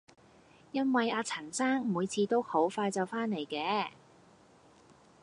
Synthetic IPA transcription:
jɐ˥nwɐ˨jaː˧t͡sʰɐ˨˩nsaː˥ŋmuː˨˧jt͡sʰiː˨˧t̪o˥who˨˥wfaː˧jt͡sɐ˨wfaː˥nne˨˩jkɛː˨˧

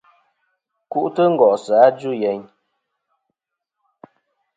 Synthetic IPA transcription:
ku˦ʔtə˦ŋ̩˦ɡɔ˨ʔsaː˨˦d͡ʒu˦˨jɛ˨ɲ

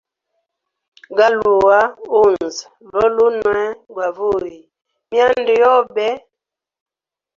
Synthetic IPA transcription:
ɡa˦lu˨wa˦u˦˨n˨zvɔ˦lu˦nwɛ˦ɡwa˨vu˦˨ji˨ | mja˦ndi˨jɔ˦bɛ˦

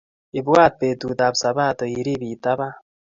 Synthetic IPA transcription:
i˨bwaː˦t̪̚pe˨t̪u˨t̪a˨bsa˨βa˦t̪o˨i˨ɾi˦βi˨t̪aβa˦

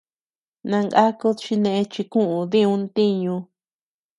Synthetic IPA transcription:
nã˧ŋɡa˦ku˦t͡ʃi˧nẽ˧ʔẽ˧t͡ʃi˧kũ˦ʔũ˧˨ðĩ˦ũ˧nt̪i˦ɲũ˧

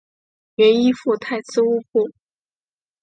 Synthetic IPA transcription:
ɥɛ˧˥ni˥fu˥˧t̪ʰa˥˧˩ɪt͡sɹ̩˥˧u˥pu˥˩

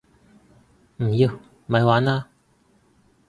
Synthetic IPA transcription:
m̩˨˩jiː˧w | mɐ˨˧jwaː˨˥naː˧

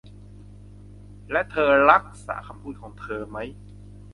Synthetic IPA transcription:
lɛ˦˥ʔt̪ʰɤː˧ɾa˦˥k̚sa̰ː˩˦kʰa˧mpʰuː˥˩kʰɔː˩˦ŋt̪ʰɤː˧ma˦˥j

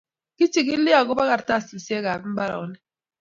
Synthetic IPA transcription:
ki˦t͡ʃi˦˨ki˦li˦a˨ɡo˦ba˦ɣa˦ɾta˦˨si˨si˦e˦ɡa˨bi˦m̩˦ba˦ɾa̰˨ɔ˦nɛ˦

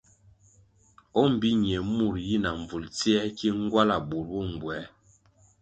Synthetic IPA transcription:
ɔ˦m̩˨bi˦ɲ˨ɛ˨mu˦˨ɾji˦na˨ɱ˨vu˨lt͡si˦ɛ˦ki˦ŋ˦ɡwa˦la˨bu˨lwu˦˨ŋ˨ɡwɛ˨˦

